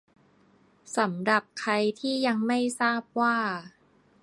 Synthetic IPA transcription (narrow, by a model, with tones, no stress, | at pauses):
sa˩˦mɾa˨˩p̚kʰa˧jt̪ʰiː˥˩ja˧ŋma˥˩jsaː˥˩p̚waː˥˩